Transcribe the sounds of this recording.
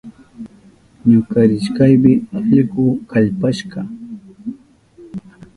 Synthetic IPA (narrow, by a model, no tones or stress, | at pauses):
ɲʊkaɾɪʃkajmɪaʎɢʊkaʎpaʃɢɑ